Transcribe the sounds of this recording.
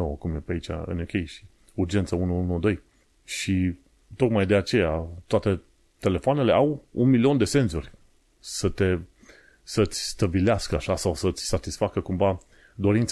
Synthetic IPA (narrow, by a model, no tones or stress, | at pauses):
owəkumjepait͡ʃʲa̰ɨ̰nokʲejʃi̥ | urd͡ʒe̞nt̪səunuunud̪o̞j | ʃi | t̪okmajd̪e̞at͡ʃe̞jat̪oat̪e̞ | t̪e̞le̞foane̞le̞ʔawunmilio̞nd̪e̞se̞nzorʲ | sət̪e̞ | sət̪sʲst̪əbileaskəaʃasawsəɨt̪sʲsat̪isfakəkumva | d̪o̞ɾint̪s